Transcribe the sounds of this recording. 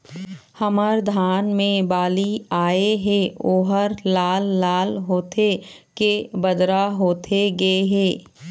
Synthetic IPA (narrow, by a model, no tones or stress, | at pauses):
həməɾd̪ʱaːnmẽbaːliaːeɦɛ̃oːɦəɾlaːlːaːlɦoːt̪ʰekebəd̪ɾaɦoːt̪ʰeɡɐeɦɛː